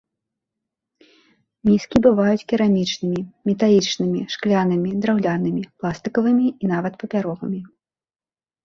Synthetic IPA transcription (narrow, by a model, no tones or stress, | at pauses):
mʲiskʲibɨvajut͡sʲkʲiɾamʲit͡ʂnɨmʲimʲɛt̪alʲit͡ʂnɨmʲiʂklʲanɐmʲid̪ɾawlʲanɨmʲiplˠast̪ɨkɐvɨmʲiin̪avɐt̪pɐpʲaɾɔɣɨmʲi